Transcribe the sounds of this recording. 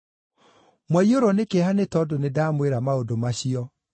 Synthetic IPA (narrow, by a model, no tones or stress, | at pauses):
mwaioɾɔnekehanetɔdonedamweɾamaodomaɕiɔ